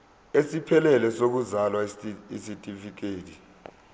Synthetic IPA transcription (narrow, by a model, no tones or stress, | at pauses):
esipʰɛlɛlɛsok̬uzalwaisitʼifik̬ʰeːtʰi